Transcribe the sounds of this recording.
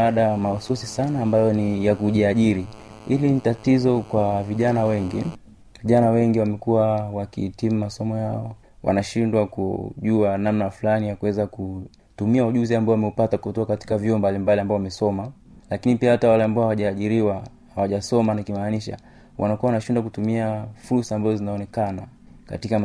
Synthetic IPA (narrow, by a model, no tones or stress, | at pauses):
aɗamaususisanaːmbajɔnijakuʄiaʄiɾi | ilinitatizɔkwaviʄanawɛŋɡi | viʄanawɛŋɡiwamɛkuwawakḭhːtimumasɔmɔjaɔ | wʔa̰naʃindwakṵʄuanamnafulanijakuwɛzaku | tumiauʄuziambaɔwamɛupatakuɔtɔakati̥kavjɔɔmbalimbaliambaɔwamɛsɔma | lakinipiahatawalɛambaɔhawaʄaːʄiɾiwa | hawaʄasɔmanakimaːniʃa̰ | wʔa̰nakuawanaʃindwakutumiafuɾsaːmbazɔzinaɔnɛkana | ka̰tika